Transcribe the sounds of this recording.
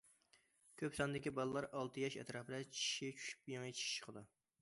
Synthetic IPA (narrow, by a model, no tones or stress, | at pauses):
kʲʰøpsɑnd̪ɪkʲibɑlˠɨlˠɑɾɑlˠt̪ʰɨjɛʃɛ̰t̪ɾɑpɪd̪ɛt͡ʃʰi̥ʃit͡ʃʰy̥ʃy̥p̚jɑŋit͡ʃʰi̥ʃi̥ʃqʰəd̪u